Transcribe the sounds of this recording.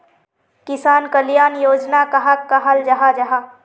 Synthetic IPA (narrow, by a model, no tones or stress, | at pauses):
kɪsaːnkəljaːnjoːd͡ʒnakɐɦakːaɦɐld͡ʒɐɦad͡ʒɐɦaː